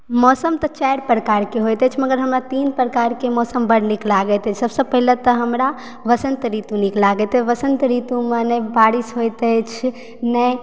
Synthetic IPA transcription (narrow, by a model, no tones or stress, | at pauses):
mɔsəmt̪ət͡ʃajɾpɾəkaɾkeɦojt̪ɛt͡ʃʰməɡəɾɦəmɾat̪inpɾəkaɾkemɔsəmbəɽniklaɡɛt̪ɛt͡ʃʰsəbsəpəɦilət̪əɦəmɾa | ʋəsə̃nt̪ɾit̪uniklaɡɛt̪ɛʋəsənt̪ɾit̪umənebaɾisɦojt̪ɛt͡ʃʰ | nɛ